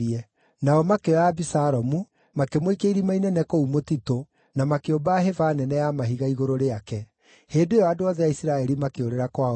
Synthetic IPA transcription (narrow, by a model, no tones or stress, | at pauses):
ɛ | naɔmakeɔabisaɾɔmu | makemoikeiɾimainɛnɛkoumotito | namakeobaɦevaːnɛnɛjamaɦiɣaiɣoɾoɾeakɛ | heːdoejɔadoaðɛjaisiɾaɛɾimakeoɾeɾakwa